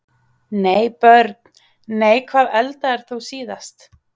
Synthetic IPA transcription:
neːjpœɾt̪̚ | neːjkʰvaːðɛlt̪aɛɾ̥θusiːðast̪

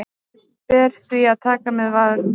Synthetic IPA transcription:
pɛːɾ̥θviaðt̪ʰaːkamɛðvað

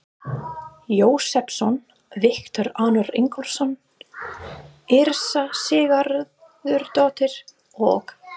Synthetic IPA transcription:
joːwsɛpsɔn | vɪhkt̪œɾaːnʏɾɪ̰ŋkɔlsɔn | ɪɾsasɪːɣaɾ | ðʏɾt̪ɔːt̪ɪɾ̥ | ɔ̰ɣ

